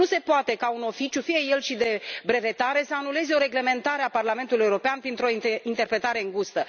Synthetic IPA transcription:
use̞poat̪e̞kauno̞fit͡ʃjufijeje̞lʃid̪e̞bɾe̞ve̞t̪aɾe̞səanule̞ze̞o̞ɾe̞ɡle̞me̞nt̪aɾeaparlame̞nt̪ulijeuɾo̞peanpɾint̪ɾo̞int̪e̞rpɾe̞t̪aɾe̞ɨŋɡust̪ə

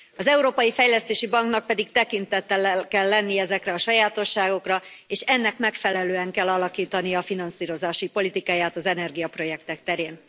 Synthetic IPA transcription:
ɒzɛuɾoːpɒjifɛjlɛst̪eːʃibɒŋknɒk̚pɛd̪ikt̪ɛkint̪ɛt̪ːɛlɛkɛlːɛnːiɛzɛkrɛɒʃɒjaːt̪o̞ʃːaːɡo̞krɒeːʃɛnːɛkmɛkfɛlɛløːɛŋkɛlːɒlɒkiːt̪ɒnijɒːfinɒnsiːɾo̞zaːʃipo̞lit̪ikaːjaːt̪ɒzɛnɛrɡijɒpro̞jɛk̚t̪ɛkt̪ɛɾeːn

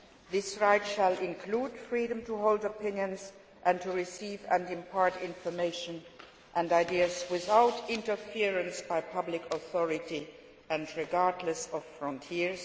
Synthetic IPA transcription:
ðɪsɹaɪtʃəlˠɪ̃nkʰl̥uːd̥fɹiɾə̃mtuɦoʊlˠdəpɪ̃njə̃nz | ʔæ̃ntʰuɹɪsivæ̃nɪ̃mpʰaɹtɪ̃nfə˞meɪʃɨ̃n | ʔæ̃ndaɪdiɨzwɪθaʊtɪ̃ntəfiɹɨ̃nsb̥aɪpʰʌblɪkʰəθɔɹɪti | ɨ̃nɹɪɡaɹdləsʌv̥fɹɔ̃ntʰiɹz

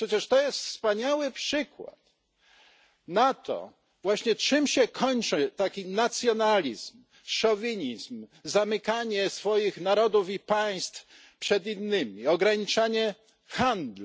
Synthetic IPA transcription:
pʂɛt͡ɕɛʂt̪ɔjɛst̪fspaɲawɘpʂɘkwa̰t̪ | nat̪ɔ̰ | vwaɕɲɛt͡ʂɨmɕɛkʰɔɲt͡ʂɘt̪akʲinat̪sʲjɔnalʲizm | ʂɔvʲiɲizmzamɘkaɲɛsfɔjixnaɾɔd̪ufipaj̃st̪f | pʂɛd̪inːɘmʲiɔɡɾaɲit͡ʂaɲɛ | xand̪lu

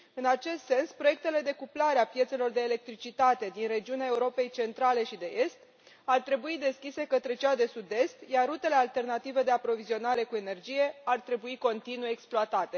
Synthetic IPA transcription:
ɨnat͡ʃe̞st̪se̞nspɾo̞je̞k̚t̪e̞le̞d̪e̞kuplaɾeapje̞t̪se̞lo̞rd̪e̞ːle̞k̚t̪ɾit͡ʃit̪at̪e̞d̪inre̞d͡ʒiuneaeuɾo̞pe̞jt͡ʃe̞nt̪ɾale̞ʃid̪e̞ʔe̞st̪ | art̪ɾe̞buid̪e̞skʲise̞kət̪ɾe̞t͡ʃead̪e̞sud̪e̞st̪jarrut̪e̞le̞alt̪e̞rnat̪ive̞d̪e̞apɾo̞vizio̞naɾe̞kue̞ne̞rd͡ʒije̞art̪ɾe̞buiko̞nt̪inujeeksploat̪at̪e̞

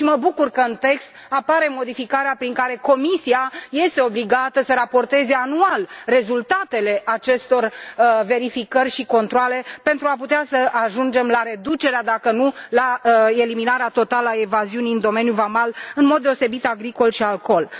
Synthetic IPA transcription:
ʃiməbukurkəɨnt̪e̞kst̪ | apaɾe̞mo̞d̪ifikaɾeapɾiŋkaɾe̞ko̞misiaje̞st̪eo̞bliɡat̪əsəɾapo̞rt̪e̞ze̞anualre̞zult̪at̪e̞le̞ʔat͡ʃe̞st̪o̞rve̞ɾifikərʲʃiko̞nt̪ɾoale̞pe̞nt̪ɾuaput̪easəaʒund͡ʒe̞mlaɾe̞d̪ut͡ʃe̞ɾead̪akənulae̞liminaɾeat̪o̞t̪aləaevaziuniɨnd̪o̞me̞njuvamalɨnmo̞d̪ːeo̞se̞bit̪aɡɾiko̞lʃialko̞l

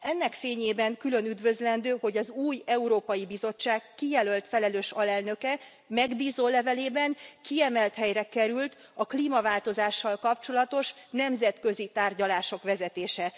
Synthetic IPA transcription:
ɛnːɛkfeːɲeːbɛŋkylø̞nyd̪vø̞zlɛnd̪øːho̞ɟɒzuːjɛuɾoːpɒjibizo̞t͡ʃːaːkːijɛlø̞lt̪fɛlɛløːʃɒlɛlnø̞kɛ | mɛɡbiːzoːlɛvɛleːbɛŋkiɛmɛlt̪hɛjrɛkɛɾylt̪ | ɒkliːmɒvaːlt̪o̞zaːʃːɒlkɒpt͡ʃo̞lɒt̪o̞ʃ | nɛmzɛt̪køzit̪aːrɟɒlaːʃo̞kʋɛzɛt̪eːʃɛ

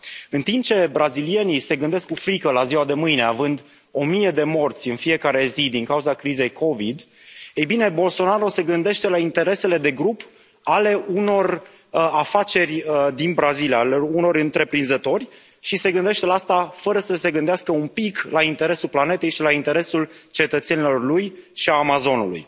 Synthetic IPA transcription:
ɨnt̪imp̚t͡ʃe̞bɾazilie̞nise̞ɡɨnd̪e̞skkufɾikəlaziwad̪e̞mɨjne̞avɨnd̪ | o̞mije̞d̪e̞mo̞rt̪sʲɨnfije̞kaɾe̞zid̪iŋkauzakɾize̞jkʰo̞vid̪ | ejbine̞bo̞lso̞naɾose̞ɡɨnd̪e̞ʃt̪e̞laint̪e̞ɾe̞se̞le̞d̪e̞ɡɾup | ale̞ʔuno̞r | afat͡ʃe̞rʲəd̪inbɾazilialuno̞ɾɨnt̪ɾe̞pɾinzət̪o̞rʲ | ʃise̞ɡɨnd̪eʃt̪e̞laast̪afəɾəsəse̞ɡɨnd̪easkəunpiklaint̪e̞ɾe̞sulplane̞t̪e̞jʃilaint̪e̞ɾe̞sult͡ʃe̞t̪ət̪se̞nilo̞rlujʃiaːmazo̞nulṵj

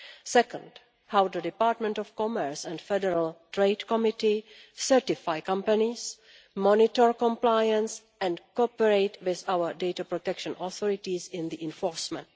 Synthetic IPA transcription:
sɛkə̰̃nd | hawd̪ədɪpaːɾtmɛ̃ntɔfkɔmɛɹsɛ̃ndfɛdɛɾaltɹeɪdkɔmɪtisɛɹtɪfajkãmpanis | mɔnɪtɔɹkɔ̃mplajə̃ns | ʔɛ̃ndkɔpɛɹeɪtwɪθawədejtapɹɔtɛkʃə̃nɔθɔɹɪtisɪ̃nd̪iʔɛ̃nfɔɹsmɛ̃nt

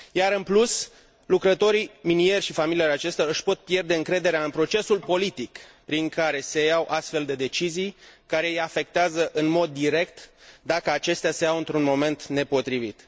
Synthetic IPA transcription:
jaɾɨnplus | lukɾət̪o̞ɾiminie̞rʲʃifamilijoɾat͡ʃe̞st̪aɨʃpo̞t̪̚pje̞rd̪e̞ɨŋkɾe̞d̪e̞ɾeaɨnpɾo̞t͡ʃe̞sulpo̞lit̪ikpɾiŋkaɾe̞se̞jawʔast̪fe̞ld̪e̞d̪e̞t͡ʃizijkaɾe̞ijafe̞k̚t̪eazəʔɨnmo̞d̪ːiɾe̞kt̪d̪akəat͡ʃe̞st̪ease̞awɨnt̪ɾunmo̞me̞nt̪ne̞po̞t̪ɾivit̪

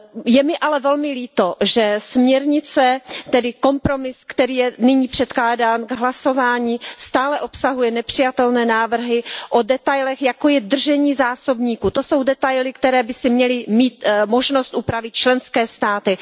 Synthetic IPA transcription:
jɛmɪʔalɛvɛlmɪliːt̪oʒɛsmɲɛɾɲɪt͡sɛt̪ɛdɪko̞mpɾo̞mɪskt̪ɛɾiːjɛnɪɲiːpr̥ɛt̪klaːdaːnɡɦlaso̞vaːɲiːst̪aːlɛʔo̞psaɦujɛnɛpr̝̥ɪjat̪ɛlnɛːnaːvr̩ɦɪʔodɛt̪ajlɛxjako̞jɛd̪r̩ʒɛɲiːzaːso̞bɲiːkut̪o̞so̞wdɛt̪ajlɪkt̪ɛɾɛːbɪsɪmɲɛlɪmiːt̪mo̞ʒno̞st̪ʔupɾavɪt̪̚t͡ʃlɛnskɛːst̪aːt̪ɪ

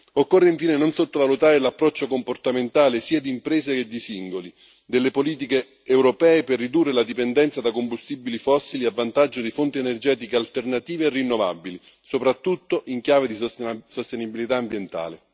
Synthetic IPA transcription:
okːorːeiɱfiːnenonsot̪ːovalut̪aːɾelapːɾɔt͡ʃːokomport̪ament̪aːlesiːad̪iːmpɾɛːseked̪ːisiŋɡoli | d̪elːepoliːt̪̬ikeː | wɾopɛːeperːid̪urːelad̪ipend̪ɛnt̪sad̪akombust̪ibilifɔsːiliavːant̪ad͡ʒːod̪ifont̪ienerd͡ʒɛːt̪ikealt̪ernat̪iːveːrːinːova̰bːili | sopɾat̪ːut̪ːoʔiŋkjaːved̪isost̪enibilit̪aːmbjent̪a̰ːle

